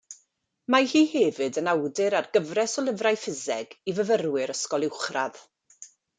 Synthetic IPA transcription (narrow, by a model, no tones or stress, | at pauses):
mahiːhɛːvɨdənawdɨɾarɡəvrɛsɔlˠəvrajfɪzɛɡivəvərwɪɾəskɔlˠɪwχrað̥